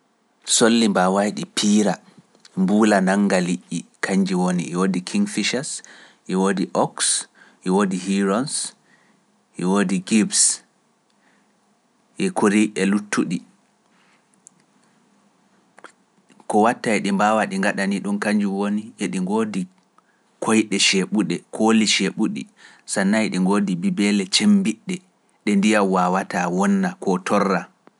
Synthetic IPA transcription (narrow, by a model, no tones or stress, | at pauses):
solːimbawajɗipʰiːɾa | mbuːlanaŋːɡaliʔːikʰaɲd͡ʒiwoniʔɛwodikʰiŋɡfiʃas | ʔɛwodiʔɔks | ʔɛwoːdiɦiɾɔns | ʔɛwoːdiɡibs | ʔɛkʰuɾiʔɛlutʰːuɗi | kɔwatːaɛɗimbawaɗiŋɡaɗaniɗunkaɲd͡ʒuwoniɛɗiŋɡoːdi | kʰojɗɛʃeɓuɗɛkʰoliʃeɓuɗḭ | sanːajɗiŋɡoːdibibɛlɛt͡ʃembiɗːɛ | ɗɛndijawawatawɔnːakɔtʰɔrːa